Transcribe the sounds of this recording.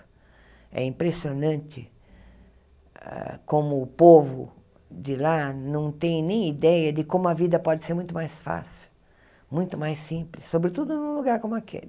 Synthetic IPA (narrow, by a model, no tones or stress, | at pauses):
ɛ̰ĩmpɾesionɐ̃nt͡ʃɪ̰ | ɛ̰kõmʊːpovʊ̰ | d͡ʒɪlanɐ̃w̃t̪ẽj̃nẽj̃id̪ɛjɐd͡ʒ̪ɪkõmʊɐvid̪ɐpɔd͡ʒɪseɾmũj̃t̪ʊmajsfa̰si̥w | mũj̃t̪ʊmajsĩplɪsːobɾɪt̪ud̪ʊnʊ̃luɡaɾkõmʊɐkʰḛlɪ